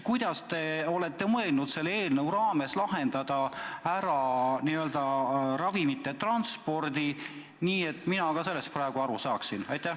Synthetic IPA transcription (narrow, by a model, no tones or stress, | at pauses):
kujd̪̥ɑst̪e̞o̞le̞t̪ːˑe̞mɤe̞lnud̪̥se̞lːeːlnəwɾɑːme̞slɑɦe̞nd̪̥ɑd̪̥ɑæɾɑniø̞ld̪̥ɑrɑvimit̪ːˑe̞t̪rɑnspo̞rd̪i | niːe̞t̪ːˑminɑkɑse̞lːe̞st̪̚prɑeɡ̥uɑɾusɑːksinɑjt̪ːˑæh